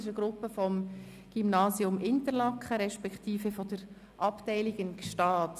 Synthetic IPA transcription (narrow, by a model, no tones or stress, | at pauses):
ɪʃəɡ̥ɾʊpːəfɔm | ɡ̥ymnɑːsiʊmʔɪntəɾlɑkχəɾɛʃpɛkχtiːfəfɔd̥̪əɾ | ʔɑptɛɪliɡɪnʃtɑːt